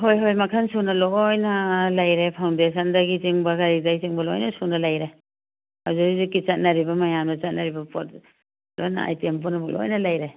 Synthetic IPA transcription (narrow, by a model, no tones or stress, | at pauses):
ɦojɦojmakʰansunalojnalajɾepʰawndesandaɡiziŋbaɡaɾizajziŋbalɔ̰jnasunalajɾe | ha̰wzaizukit͡ʃat̚naɾibamajamdat͡ʃat̚naɾibapʰɔt̚ | lojna̰a̰jtempɔnabɔk̚lɔ̰jnalajɾe